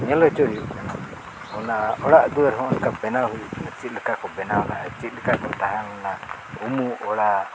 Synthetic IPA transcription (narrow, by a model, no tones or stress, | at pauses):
ɲɛlɔt͡ʃɔɾiukana | ɔnaɔɽaʔd̪uəɾɦɔ̃ʔɔnkabɛnawɦuʔunət͡ʃit̪̚ləkakɔbɛnawlaʔat͡ʃit̪̚ləkakɔt̪aɦamɔna | umuɔɽa